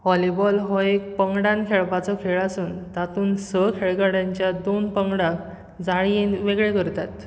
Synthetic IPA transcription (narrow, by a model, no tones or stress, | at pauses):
ɦɔlibɔlɦɔek̚pəŋɡɽãnkʰeɭpat͡sɔkʰeɭasuːnt̪at̪uːnsəkʰeɭɡaɽjaɲt͡ɕjad̪onpəŋɡɽak | d͡zaɭijinʋeɡɭekəɾt̪at̪